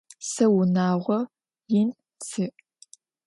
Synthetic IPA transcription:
sɐwʊnaːʁʷɔ | jɪn | t͡sʰɨʔ

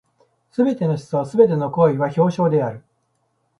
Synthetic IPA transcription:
sɨbe̞t̪e̞no̞ɕi̥sosɨbe̞t̪̬e̞no̞ko̞ːiβaço̞ːɕo̞ːd̪e̞aɾɯ̟

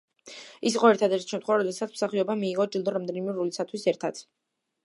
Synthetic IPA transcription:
isiqʼɔɛɾt̪ʰad̪ɛɾt̪i̥ʃɛmt̪ʰχɛvaɾɔd̪ɛsat̪smsaχiɔbamiːʁɔd͡ʒɛlˠd̪ɔɾamd̪ɛnimɛɾulisat̪ʰwisɛɾt̪ʰad̪̥

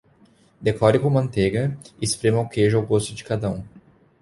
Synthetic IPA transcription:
d̪ekɔɾɪkõmɐ̃nt̪eɡɐspɾẽmɐʊkeʒʊawɡost̪ʊd͡ʒɪkad̪ɐũ

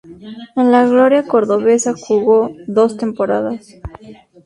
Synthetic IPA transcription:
enlaɣlo̞ɾjako̞ɾðo̞βe̞saxuɣo̞ðo̞st̪e̞mpo̞ɾaðas

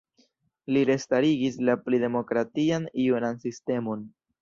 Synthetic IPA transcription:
liɾe̞staɾiɡislaplide̞mo̞kɾatianiunansiste̞mo̞n

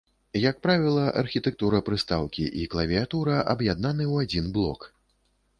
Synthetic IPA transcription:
jak̚pɾavʲilˠɐʔɐ̰rxʲit̪ɛk̚t̪uɾɐpɾɨst̪awkʲḭʔiklˠɐvʲiat̪uɾɐʔɐbjad̪nanɨwad͡zʲinblˠɔ̰k

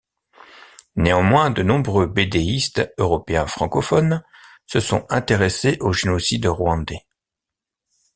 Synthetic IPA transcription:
neɑ̃mwɛ̃d̪ənɔ̃bʁøbed̪eist̪øʁɔpeɛ̃fχɑ̃kɔfɔn | səsɔ̰̃ɛ̃t̪eʁeseʔoʒenɔsid̪ʁwɑ̃d̪e

